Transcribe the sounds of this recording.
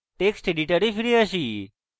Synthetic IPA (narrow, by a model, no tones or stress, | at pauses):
ʈeksʈiɖiʈəɾifiɾiəʃi